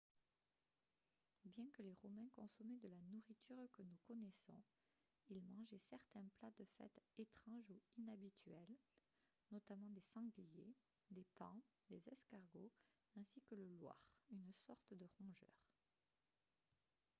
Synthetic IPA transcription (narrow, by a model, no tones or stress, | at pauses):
bjɛ̃kəleʁɔmɛ̃kɔ̃sɔmed̪əlanuʁit̪ʰyʁkənukɔnɛsɔ̰̃ | ilmɑ̃ʒesɛʁt̪ɛ̃plad̪əfɛ̰t̪et̪χɑ̃ʒuinabit̪ʰɥɛl | nɔt̪amɑ̃d̪esɑ̃ɡlje | d̪epɑ̃d̪ezɛskaʁɡo | ɛ̃sikələlwa̰ːʁynsɔʁt̪d̪əʁɔ̃ʒœ̰ːʁ